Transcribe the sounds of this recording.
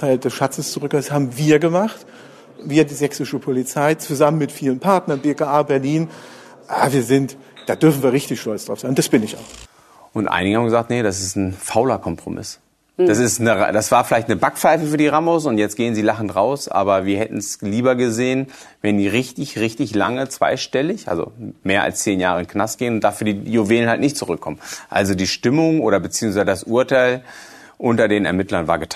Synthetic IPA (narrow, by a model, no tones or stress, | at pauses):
faɪld̥ɛsʃat͡səst͡suʁʏkːshaːbm̩viːɐɡəmaχt | viːɐdiːzɛksɪʃəpʰolit͡saɪt͡suzamənmɪtfiːlənpʰaɐtnɐnbeːkaʔaːbɛɐliːn | ʔaːviːɐzɪnt | d̥aːdʏɐfn̩viːɐʁɪçtɪçʃtɔlt͡sd̥ʁaʊfz̥aɪnd̥asb̥ɪnɪça̰ʊx | ʔʊntʔa̰ɪnɪɡəhaːmɡəzaːk̚tnədas̬ɪstn̩faʊlɐkʰɔmpʁ̥o̰mʔɪ̰s | d̥asɪstnəd̥asv̥aːɐfɪlaɪçtnəbakfaɪfəfyːɐdiːʁamosʊntjɛt͡stɡ̥eːənziːlaχn̩tʁaʊsʔa̰ːbɐviːɐhɛtn̩sliːbɐɡəzeːən | vɛəndiːʁɪçtɪçʁɪçtɪçla̰ŋət͡sv̥a̰ɪʃtɛlɪçʔa̰lzo̰meːɐʔa̰lst͡seːnjaːʁəɪnkʰnastɡ̥eːənʊnt̚d̥aːfyːɐdiːjoveːlənhaltnɪçtt͡suʁʏkʰːɔmənʔa̰lzodiːʃtɪmʊŋʔoːɾɐbət͡siːʊŋsvaɪzədasʔuɐtʰaɪl | ʔʊntɐdeːnɛɐmɪtlɐnvaːɐɡətʰ